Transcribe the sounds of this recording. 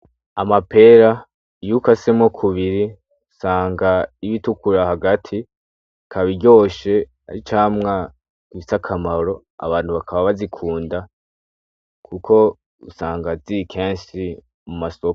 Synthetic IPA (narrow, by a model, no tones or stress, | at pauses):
amape̞ɾa | jukasemo̞kʰuβiɾi | usaːŋɡaiβitukuɾahaɡatʰi | kʰaβiɾɟo̞ːʃe̞ | a̰ɾit͡ʃaːmŋa | ɡ̥iisakʰamaɾo̞ | a̰βaːnhuβakʰaβaβazikʰuːnda | kʰukʰo̞ | usaːŋɡazikʰeːnʃi | mumasok